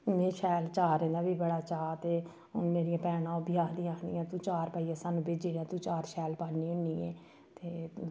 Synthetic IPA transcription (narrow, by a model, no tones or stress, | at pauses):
ʊnẽːʃʰɛːlt͡ʃaːɾɛ̃ːnd̪aːbiːbəɽaːt͡ʃaːt̪eː | ʊ̰nmeːɾijãːpɛːnãːobɪjaːkʰd̪ĩːaːkʰd̪ḭːãːt̪ũːt͡ʃaːɾpaːijãːsaːnũːbeːd͡ʒeːãːt̪ũːt͡ʃaːɾʃɛːlpaːnːiːʊnːiːḛː | t̪eː